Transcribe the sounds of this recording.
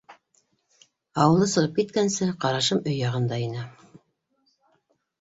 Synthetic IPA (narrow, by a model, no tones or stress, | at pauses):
ɑwɤ̆lˠɤsɤ̆ɾɤpkit̪kænsɘqɑɾɑʃɤmɵjːɑʁɤ̆nd̪ɑinɘ